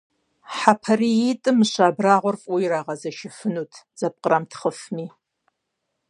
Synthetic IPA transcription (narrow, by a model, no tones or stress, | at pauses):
ħapʰɐrijitʼɨmɨɕʷaːbraːʁʷʊrfʼuiɾaːʁɐzɐʃɪfɨnutʰz̥ɐp̚qʼəramtʰχəfmiː